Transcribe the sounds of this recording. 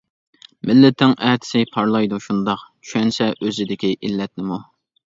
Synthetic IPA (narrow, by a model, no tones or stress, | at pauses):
mɪlːɪt̪ʰɪŋʔɛːt̪ʰɪ̥sɪpʰɑɾlˠɑjd̪uʃund̪ɑqt͡ʃʰy̥ʃɛnsɛʔøzɪd̪ɪkʲiʔilːɛt̪̚nɪmu